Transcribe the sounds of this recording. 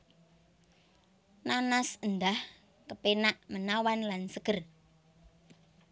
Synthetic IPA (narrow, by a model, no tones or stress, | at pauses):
nanasənd̪ah | kəpenaʔmənawanlansəkər